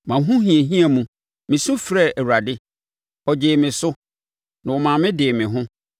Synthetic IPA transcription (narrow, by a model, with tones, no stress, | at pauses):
mã˨ɦũ˦ɦĩ˨e˨ɦĩ˦a˨mũ˨ | mɪ̃˨sũ˦fɾɛ˦˨ʔɛ˨wu˨ɾa˨dɪ˦ | ɔ˨d͡ʑɪː˨mɪ̃˨sʊ˦ | nã˨wɔ˨mãː˨mɪ̃˦dɪ˨mɪ̃˨ɦʊ̃˦